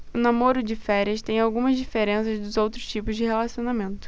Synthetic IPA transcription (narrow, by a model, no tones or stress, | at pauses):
ʊnamoɾʊd͡ʒɪfɛɾiɐst̪ẽj̃awɡũmɐzd͡ʒifeɾẽsɐzd̪ʊzowt̪ɾʊst͡ʃipʊzd͡ʒɪhelasionamẽnt̪ʊ̥